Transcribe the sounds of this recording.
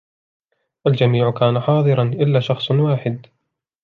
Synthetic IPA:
ʔald͡ʒamiːʕkaːnaħɑːðˤɨɾˤɑnʔɪlːaːʃɑxsˤwaːħɪd̪

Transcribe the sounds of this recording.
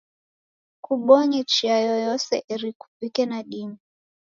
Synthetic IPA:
kuɓɔɲit͡ʃiajɔjɔsɛ̰ʔiɾiku̥vikɛnaɗimi

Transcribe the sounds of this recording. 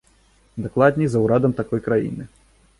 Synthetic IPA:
d̪aklˠad̪ʲnʲizɐwɾad̪ɐmt̪akɔjkɾajḭnɨ

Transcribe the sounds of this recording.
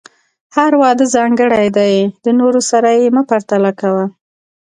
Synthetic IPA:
haɾwɑd̪əzɑŋɡəɽajd̪ajd̪ənoɾosaɾajeməpaɾt̪alakawa

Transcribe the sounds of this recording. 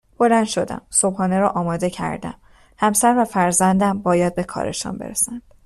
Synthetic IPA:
b̥o̞lænd̪̥ʃo̞d̪æ̰mso̞bhɒːneɾɒːʔɒːmɒːd̪e̞cʰæ̰ɾd̪æ̰m | hæmsæɾvæfæɾzænd̪æmbɒːjæd̪̚be̞kʰɒ̰ːɾʔḛʃɒ̰nbe̞̰ɾesænd̪̥

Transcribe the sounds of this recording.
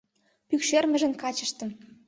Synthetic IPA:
pykʃørmə̆ʒə̆nkɑt͡ɕə̆ʃt̪ə̆m

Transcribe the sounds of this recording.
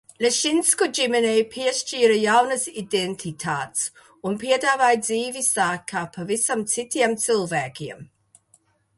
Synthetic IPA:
lʲeʃinskɔd͡ʒimɛnejpʰiɛʃt͡ʃiːɾɐjawnɐsid̪ent̪ʰit̪ʰaːt̪s | unpiɛd̪aːvaːjd̪ziːvisaːkʰːaːpʰavisamt̪sit̪ʲiɛmt̪silˠvæːkʲiɛm

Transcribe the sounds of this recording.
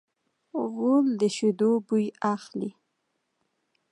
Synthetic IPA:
ɣold̪əʃʊd̪obujaxli

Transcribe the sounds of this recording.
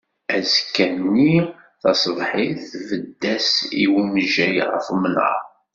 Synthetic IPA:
æzkːænːi | θɑsðˤħiθvəd̪ːæsiwuməʒæjʁəfmənə̰

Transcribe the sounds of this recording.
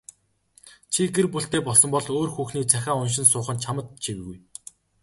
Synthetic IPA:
t͡ɕʰiɡerpuɬt̪eːpɔɮsɞ̆mpɔɮoːrxuːxniːt͡sʰæxʲaːʊnʃ̬ɪ̆nsʊːχə̆nt͡ɕʰamə̆t̪̚t͡ɕʰiwɘ̆ɣuj

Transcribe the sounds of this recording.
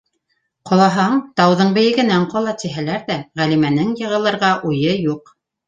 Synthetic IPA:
qŏlˠɑɦɑɴt̪ɑwðɤɴbɘ̆jɘ̆ɡɘ̆næɴqɑlˠɑt̪ĭɦælæɾðæʁælimænɘŋjɤ̆ʁɤ̆lˠɤ̆ɾʁɑʔujɤjuq

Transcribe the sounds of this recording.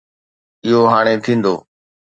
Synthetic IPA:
ɪɦoɦaːɽ̃et̪ʰĩːnd̪oː

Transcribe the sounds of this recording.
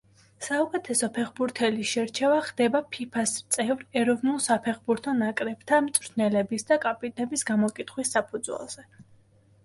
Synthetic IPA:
saukʼɛt̪ʰɛsɔpʰɛχbuɾt̪ʰɛlisʃɛɾt͡ʃʰɛvaχd̪ɛbapʰipʰast̪sʼɛvɾɛɾɔvnulˠsapʰɛχbuɾt̪ʰɔnakʼɾɛb̥t̪ʰamt̪sʼɾʰnɛlɛbisd̪akʼapʼit̪ʼnɛbisɡamɔkʼit̪ʰχwisːapʰud̪zwɛ̰lˠz̥ɛ

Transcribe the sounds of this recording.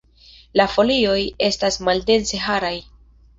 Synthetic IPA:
lafo̞lio̞je̞stasmalde̞nse̞ɦaɾaj

